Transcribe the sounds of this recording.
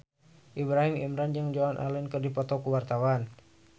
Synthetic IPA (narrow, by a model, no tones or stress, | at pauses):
ʔibɾaɦimimɾand͡ʒəŋd͡ʒoanʔa̰lɛnkərdipɔt̪ɔkuwart̪awan